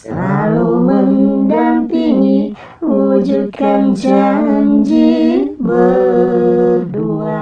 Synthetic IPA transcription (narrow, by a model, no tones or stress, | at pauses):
əlaluməŋdampiŋi | ud͡ʒud̚kant͡ʃaɦənd͡ʒibə | dua